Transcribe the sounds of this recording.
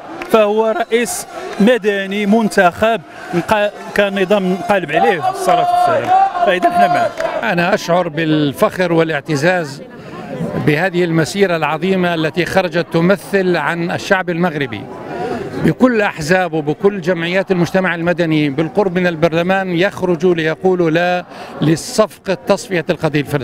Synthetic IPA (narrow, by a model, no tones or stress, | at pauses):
fæhʊwːæɾˤɑʔiːsmæd̪ænimʊnt̪axab̚ | nq | kænːɨd̪ˤɑmnqɑləbʕlihfsˤːɑɾˤɑfsæla̰mfæʔəd̪ænəħnæmaʕakʔanaʔaʃʕʊɾˤbɪlfaxɾwɪlʔɪʕt̪ɪzaːz | bɪhaːðɪhɪlmasiːɾalʕɑðˤiːmaʔalːat̪ixɑɾˤɑd͡ʒat̪ːʊmaθːɪlʕanɪʃːaʕbɪlmaɣɾɪbḭ | bɪkʊlːʔaħzaːbwbɪkʊlːd͡ʒamʕɪjːaːt̪almʊd͡ʒt̪amaʕɪlmad̪anibɪlqʊɾˤbmɪnɪlbɑɾˤlamaːnjaxɾʊd͡ʒlɪjɑquːlʊlalɪsˤːɑfqɑt̪ːɑsˤfɪjalqɑd̪iːlfɪl